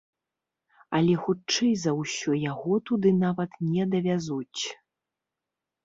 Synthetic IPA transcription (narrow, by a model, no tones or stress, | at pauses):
ɐlʲɛxut͡ʂɨjzɐwsʲɔjaɣɔt̪ud̪ɨnavɐt̪nʲɛd̪ɐvʲazut͡sʲ